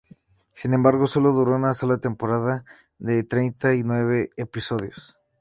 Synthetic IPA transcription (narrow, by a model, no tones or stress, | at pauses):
sinembaɾɣo̞so̞lo̞ðuɾo̞unaso̞lat̪e̞mpo̞ɾaða | ðe̞t̪ɾe̞jnt̪ainwe̞β̞e̞ːpiso̞ðjo̞̰s